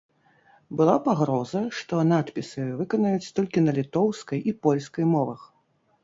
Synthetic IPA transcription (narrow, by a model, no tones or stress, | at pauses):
bɨlˠapaɣɾɔzɐʂt̪ɔnat̪pʲisɨvɨkɔnɐjut͡sʲt̪ɔlʲkʲinɐlʲit̪ɔwskɐjʔipɔlʲskɐjmɔvɐx